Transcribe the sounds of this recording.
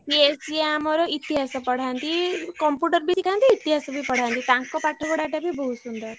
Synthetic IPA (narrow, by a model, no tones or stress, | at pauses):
piesiamɔɾɔit̪iɦasɔpəɽ̤ant̪ikɔmpjuʈəɾbʱitikʰãnt̪iːt̪iɦasɔbʱipəɽ̤ant̪it̪ãŋkɔpaʈʰːɔkɔɽaʈabʱibʱɔɦusund̪əɾ